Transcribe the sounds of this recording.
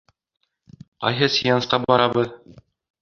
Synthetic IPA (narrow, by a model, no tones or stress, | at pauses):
qɑ̰jɦɤsʲijɑnsqɑbɒɾɑbɤð